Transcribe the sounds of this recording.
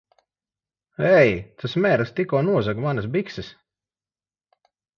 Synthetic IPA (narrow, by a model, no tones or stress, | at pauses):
ɛjt̪ʰasmʲɛːɾst̪ikɔːnuɔzakmanas̬biksɨs